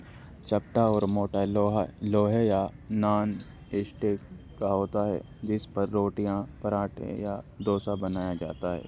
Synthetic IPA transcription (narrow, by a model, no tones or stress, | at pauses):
t͡ʃɐp̚ʈaɔːɾmoːʈaɦloːɦejanaːn | ɪsʈe | kaɦoːt̪aɦɛ̰ː | d͡ʒɪspɐɾːoːʈijãpɐɾaːʈʰḛjad̪oːsabɐnaːjad͡ʒa̰ːt̪aɦɛ̰ː